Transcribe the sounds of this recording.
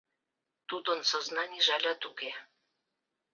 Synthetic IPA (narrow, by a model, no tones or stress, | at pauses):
t̪ud̪onsoznanʲiʒalʲat̪uɡe